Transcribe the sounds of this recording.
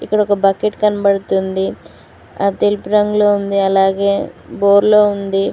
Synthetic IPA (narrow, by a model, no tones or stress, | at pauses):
ikːɐɽɔkɐbɐkeʈkɐnɐbɐɽut̪und̪i | aːt̪elipuɾɐŋɡloːund̪iɐlaːɡe̞ːboːɾlo̞ːund̪i